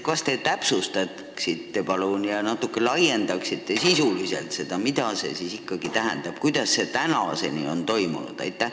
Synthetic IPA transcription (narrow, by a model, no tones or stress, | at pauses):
kɑst̪e̞t̪æpsust̪ɑt̪ | ksit̪ːe̞pɑlunjɑnɑt̪ːˑukːˑe̞lɑje̞nd̪ɑksit̪ːˑesisulise̞̰lt̪se̞d̪̥ɑmid̪̥ɑse̞̰sisikːɑɡ̥it̪æɦæ̰nd̪̥ɑb̥̚kujd̪̥ɑsːe̞t̪ænɑ̰se̞̰nḭo̞nt̪o̞jmṵnṵd̪̥ɑ̰jt̪ːˑæ